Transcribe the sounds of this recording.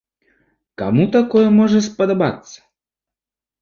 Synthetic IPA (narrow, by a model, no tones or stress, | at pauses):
ka̰mut̪akɔjɛmɔʐɛspɐd̪aba̰t̪sːɐ̥